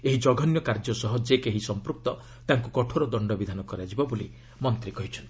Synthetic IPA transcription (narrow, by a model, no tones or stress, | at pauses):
eɦid͡ʒɔɡʱɔnjɔkaɾd͡ʒɔsɔɦɔd͡ʒekeɦisɔmpɾuk̚t̪ɔ | t̪aŋkukɔʈʰoɾɔd̪ɔɳɖɔbid̪ʱanɔkɔɾad͡ʒibɔbuli | mɔnt̪ɾikɔɦit͡ʃʰɔnt̪i